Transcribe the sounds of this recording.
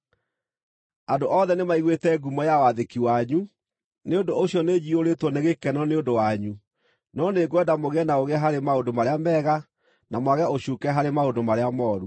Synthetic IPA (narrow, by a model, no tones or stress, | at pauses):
andoʔɔðɛnemaiɣwetɛɡumɔjawaðekiwaɲu | neondooɕiɔned͡ʑioɾetwɔneɣekɛnɔneondowaɲu | nɔneɡwɛdamoɣeɛnaoɣeɛɦaɾemaondomaɾeamɛːɣa | namwaɣɛaoɕuːkɛɦaɾemaondomaɾeamɔːɾu